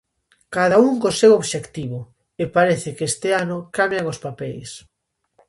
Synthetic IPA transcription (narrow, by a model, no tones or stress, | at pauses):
kaðauŋkosewoβʃekt̪iβʊ | epaɾeθɪkest̪ɪanʊkamjaŋospapɛjs